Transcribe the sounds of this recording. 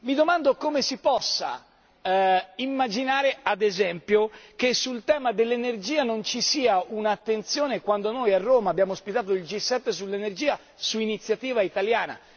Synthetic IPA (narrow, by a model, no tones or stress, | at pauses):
mid̪omand̪okomesipɔsːa̰ | imːad͡ʒinaːɾead̪ezɛmpjokesːult̪ɛːmad̪elːenerd͡ʒiːanont͡ʃisiːaunaːt̪ːent̪sjoːnekwand̪onojarːoːmaːbːjaːmospit̪aːt̪̬oild͡ʒisːɛt̪ːes̬ulːenerd͡ʒiːa | suinit̪sːjat̪iːvait̪aljaːna̰